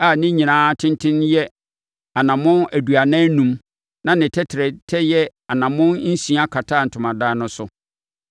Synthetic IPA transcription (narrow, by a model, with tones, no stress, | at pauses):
a˨nɪ̃˦ɲĩ˨nãː˦tʰɪ̃˦ntʰɪ̃˦njɛ˦ | a˨nã˨mʊ̃˦næ˨du˨a˨nã˦nũ˦m | nã˦˨nɪ̃˨tʰɛ˦tʰɪ˨ɾɛ˨tʰɛ˦jɛ˦a˨nã˨mʊ̃˦n˦n̩˦sĩ˨˦a˦kʰa˨tʰaː˦˨n̩˨tʰʊ̃˨mã˨daː˦nʊ̃˦sʊ˦